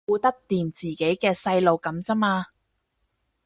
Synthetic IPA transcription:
uː˧t̪ɐ˥k̚t̪iː˨mt͡siː˨ke˨˥jkɛː˧sɐ˧jlo˨˧wkɐ˨˥mt͡sɐ˥maː˧

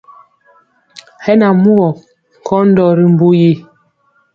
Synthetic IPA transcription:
hɛ˦na˨mu˦ɔ˨ | ŋ˨kʰɔ˦n̩˦dɔ˨ɾi˦m̩˨bu˦ji˦

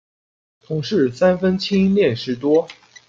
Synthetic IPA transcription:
t̪ʰʊ˧˥˦ŋʂɻ̩˥˩sa˥nfə˥nt͡ɕʰi˥ljɛ˥˧˩nʂɻ̩˥˩t̪wɔ˥

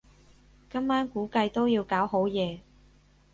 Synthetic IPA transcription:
kɐ˥mːaː˥nkuː˨˥kɐ˧jt̪o˥wjiː˧wkaː˨˥wɦo˨˥wjɛː˨˧

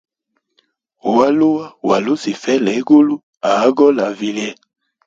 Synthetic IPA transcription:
wa˦lo˦wa˦wa˨lo˦si˨fɛ˦lɛ˨˦ɡo˦lu˦ | a˨˦ɡɔ˦la˨vi˨li˦ɛ˦

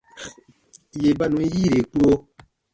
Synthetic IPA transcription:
je˨ba˦˨nũ˨˦ji˦˨ɾe˨k͡po˧˦

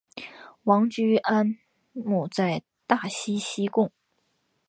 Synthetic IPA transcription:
wɑ˧˥ŋt͡ɕy˥a˥n | mu˥˩t͡sa˥˧ɪ | t̪a˥˩ɕi˥ɕi˥kʊ˥˩ŋ

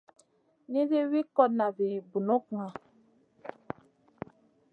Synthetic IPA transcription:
ni˦zi˦wi˦kɔ˦t̚na˨vi˨bu˨no˦kŋa˨

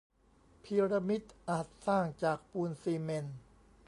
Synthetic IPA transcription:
pʰi˧ɾa˧mi˦˥t̪̚ʔaː˨˩t̪̚saː˥˩ŋt͡ɕaː˨˩k̚puː˧nsiː˧me˧n

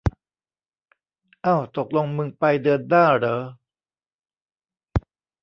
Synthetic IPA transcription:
ʔaː˧˩wt̪o˨˩k̚lo˧ŋmɯ˧ŋpa˧jdɯː˧əndaː˥˩jɾɤː˩˦

